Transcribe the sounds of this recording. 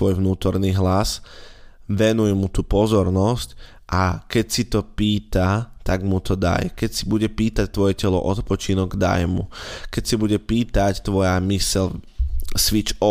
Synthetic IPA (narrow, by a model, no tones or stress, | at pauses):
ʋɔjʋnuːt̪ɔɾniɦlas | ʋɛnujmut̪uːpɔzɔɾnɔsc | ʔakɛcsit̪ɔpiːt̪at̪aɡmut̪ɔd̪a̰jkɛcsibuɟɛpiːt̪ac̚t̪ʋɔjɛcɛlɔ̰ʔɔt̪pɔt͡ʃinɔɡd̪a̰jmṵkɛcsibuɟɛpiːt̪act̪ʋɔjamisɛʎ | sʋit͡ʃɔ